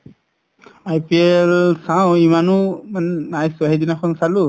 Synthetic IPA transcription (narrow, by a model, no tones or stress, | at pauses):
ajpiɛlsawimanumannajsuaɦɛdinakʰɔnsalu